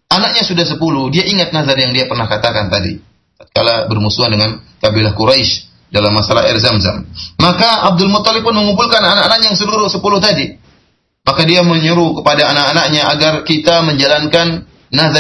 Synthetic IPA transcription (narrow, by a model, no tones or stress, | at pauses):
ʔanak̚ɲasudahs̬əpuludiaʔiŋat̪̚nazarjaŋdiapərnahkat̪akant̪adḭ | t̪at̪̚kalabərmusuandəŋankabilahkuɾajʃ | dalamːasala̰ɦɛ̰rzamza̰mːakaab̚dʊlmʊt̪ːalɪk̚pːʊnməŋump̬ulkananaʔanaʔ̚ɲajaŋsəluɾusəpuluht̪adi | makadiaməɲəɾukəpadaːnaʔanak̚ɲaʔaɡarkit̪aməɲd͡ʒalankanː | aza